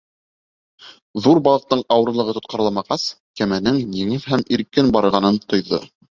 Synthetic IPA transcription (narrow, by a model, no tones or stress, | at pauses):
ðuɾbɑlˠɤ̆q̚t̪ɤɴɑwɤ̆ɾɤ̆lˠɤ̆ʁɤt̪ŏt̪̚qɑɾlˠɑmɑʁɑs | kæmænɘŋjiŋɘðɦæmiɾkɘnbɑɾɤ̆ɾʁɑnɤnt̪ŏjðo̰